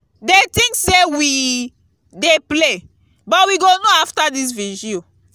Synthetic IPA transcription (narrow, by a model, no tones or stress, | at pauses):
detĩŋksewi | deple | bɔtwiɡonoaftadis̬vid͡ʒio